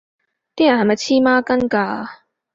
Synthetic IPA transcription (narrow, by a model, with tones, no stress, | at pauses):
t̪i˦˥a˨˩˨ma˨˧t͡ɕʰiː˦˥maː˥kɐ˥nkaː˧